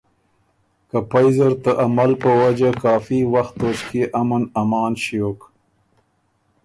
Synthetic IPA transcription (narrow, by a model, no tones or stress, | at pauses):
kapajzaɾt̪əʔamalpəwad͡ʒakɑːfiwaxt̪oʃkeʔamanamɑːnʃijok